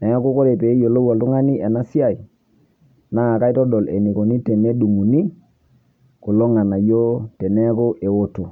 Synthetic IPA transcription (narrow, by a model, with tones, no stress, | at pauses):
nɛ˨˦ko˦ko˦ɾe˨pe˨˦jo˨lo˦wa˨ltu˦ŋa˦ni˦e˨na˦si˦a˨i˨ | na˦a˨ka˦i˦tɔ˦dɔ˨le˨ni˨ko˨ni˦tɛ˨ne˦du˨ŋu˨ni˦ | ku˨lo˦ŋa˨na˨jo˦tɛ˨nɛ˦ko˦ʔe˨wo˦to˨